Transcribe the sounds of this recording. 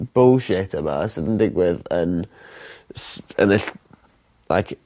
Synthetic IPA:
b̥olˠʃɛtʰəma̰sɨdəndɪɡwɪðən | sənɪɬ | la̰jkʰ

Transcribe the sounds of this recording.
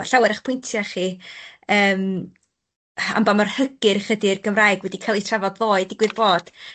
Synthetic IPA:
ɬawɛɾaχpʰʊjntʰjaχiəːm | a̰mbamarhəɡ̥ɨrχədɪrɡəmraːjɡwɛdikʰalˠitʰravɔdðoːɨdɪɡwɨðboːd̥

